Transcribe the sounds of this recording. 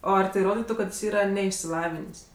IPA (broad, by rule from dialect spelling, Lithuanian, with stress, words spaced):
ˈoː ˈɐr tɐɪ ˈroːdʲɪtʊ kɐt ˈjɪs ˈiːrɐ nʲɛɪʃʲsʲɪˈlˠɑːʋʲɪnʲeːsʲ